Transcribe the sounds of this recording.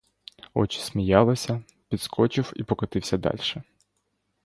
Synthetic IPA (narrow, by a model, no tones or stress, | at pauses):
ɔ̰t͡ʃɪ̥sʲmʲijɑlˠɪsʲɐ | pʲid̪skʰɔt͡ʃɪwipɔkɔt̪ɪwsʲɐd̪ɑ̰lʲʃɛ